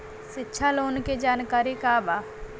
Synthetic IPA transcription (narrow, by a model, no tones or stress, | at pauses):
ʃɪtːʃʰaloːnked͡ʒaːnkaːɾikabaː